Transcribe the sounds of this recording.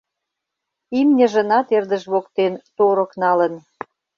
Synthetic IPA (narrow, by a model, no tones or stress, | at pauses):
imnʲə̆ʒə̆nɑt̪erd̪ə̆ʃβokt̪ent̪oɾə̆knɑlə̆n